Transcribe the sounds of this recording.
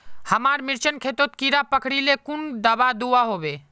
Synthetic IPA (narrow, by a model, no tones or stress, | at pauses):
həmaɾmiɾt͡ʃənkʰet̪ot̪kiɾapəkʰɽilekund̪əbad̪uaɦobe